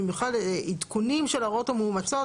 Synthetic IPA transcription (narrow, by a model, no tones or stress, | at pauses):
imjuχlalit̪kunimʃelaʁot̪amuːmat͡so